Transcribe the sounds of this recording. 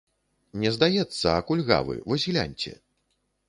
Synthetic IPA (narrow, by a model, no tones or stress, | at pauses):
nʲɛzd̪ajɛt̪sːɐakulʲɣa̰vɨ̰vɔzʲɣlʲa̰nʲt͡sʲɛ̰